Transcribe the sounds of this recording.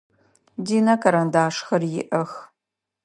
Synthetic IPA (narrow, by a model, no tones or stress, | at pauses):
diːnɐkʰɐɾɐndaːʂxɐrjɪ̰ʔɐx